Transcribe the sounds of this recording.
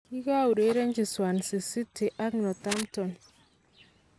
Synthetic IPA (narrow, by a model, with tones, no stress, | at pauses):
ki˦ka˦u˨ɾe˦ɾe˦ɲd͡ʒi˨swa˨nsi˨si˦tʰi˨ʔa˦knɔ˨ta˦mtɔ˨n